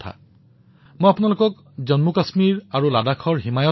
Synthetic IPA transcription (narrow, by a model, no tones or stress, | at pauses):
t̪ʰa̰ | mojapunalokɔk | zɔnmukasmiɹaɹuladakʰɔɹɦimajɔ